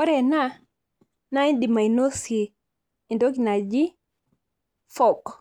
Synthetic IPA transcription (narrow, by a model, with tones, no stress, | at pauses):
ɔ˦ɾɛ˨na˦ | na˦i˦di˨ma˨i˨no˦siː˨ | ndo˦ki˨na˨d͡ʒi˦ | fɔ˨k